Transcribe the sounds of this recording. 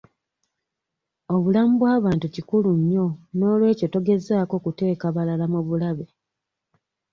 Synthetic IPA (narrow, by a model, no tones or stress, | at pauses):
o̞βulamubwaːβaːntucikuluɲːo̞no̞ːlwe̞ːco̞toɡe̞zaːko̞ːkute̞ːkaβalalamuβulaβe